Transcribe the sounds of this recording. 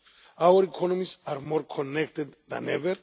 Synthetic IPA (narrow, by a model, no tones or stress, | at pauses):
awəɾikʰɔnɔmisaɾmoɾkʰɔnːɛkt̪ed̪ðã̰nɛvɛɾ